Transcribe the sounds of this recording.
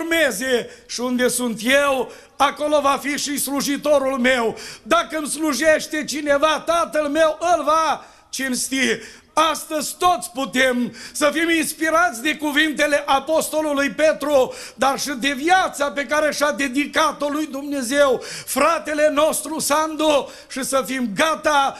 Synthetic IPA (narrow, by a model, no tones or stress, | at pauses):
mezeʃiund̪e̞sunt̪jew | ako̞lo̞vafiʃisluʒit̪o̞ɾulme̞wd̪akəmsluʒeʃt̪e̞t͡ʃine̞vat̪at̪əlme̞wʔəlva | t͡ʃenst̪i | ast̪əzʲt̪o̞t̪sʲput̪emsəfiminspiɾat̪sʲd̪e̞kuvint̪e̞le̞ʔapo̞st̪o̞lulujpe̞t̪ɾud̪arʃid̪e̞vjat̪sape̞kaɾeʃad̪e̞d̪ikat̪o̞lujd̪umne̞zewfɾat̪e̞le̞no̞st̪ɾusand̪u | ʃisəfimɡat̪a